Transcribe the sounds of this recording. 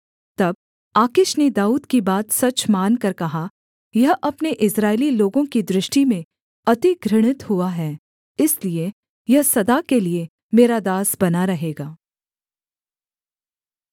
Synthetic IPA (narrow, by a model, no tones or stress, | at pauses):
t̪ɐb̚ | aːkɪʃned̪aːuːd̪kibaːt̪sɐt͡ʃmaːnkɐɾkɐɦa | jɐɦʔɐpneʔɪsɾaːɪliloːɡõkid̪ɾɪʃʈimẽ | ɐt̪iɡɾɪɽ̃ɪt̪hʊaɦɛː | ɪslie | jɐɦsɐd̪akelie | meːɾad̪aːsbɐnaɾɐɦeːɡaː